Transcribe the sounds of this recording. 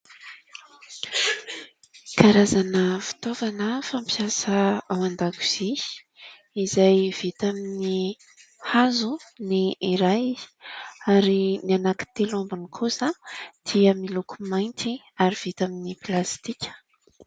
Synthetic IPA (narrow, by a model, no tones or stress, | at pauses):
kʰaɾazanəfi̥t̪ovanəfampiasəawand̪aku̥z̥e̥ | izajv̥it̪amini | hazuniiɾajiz̥i̥aɾinianaki̥t̪elombunikʰusəd̪̥iəmilukumajnt̪i | aɾiv̥it̪aminiplast̪ikʲə̥